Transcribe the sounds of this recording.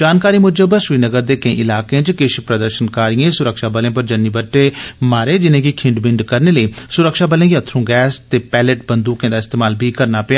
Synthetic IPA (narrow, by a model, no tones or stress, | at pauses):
d͡ʒaːnkaːɾiːmʊd͡ʒəbəʃʋiːnəɡəɾd̪eːkə̃ḭ̃ːʔɪlaːkẽːt͡ʃkɪʃpɾəd̪əɾʃənkaːɾijẽːsʊɾəkʃaːbəlẽːp̬əɾd͡ʒənːiːbəʈːeːmaːɾeːd͡ʒɪnẽːkikʰɪ̃ɳɖbɪɳɖkəɾneːləiːsʊɾəkʃaːbəlẽːɡiət̪ʰːɾũːɡɛːst̪eːpɛːləʈ̚bənd̪uːkẽːd̪aːɪst̪eːmaːlbʱiːkəɾnaːpɪaː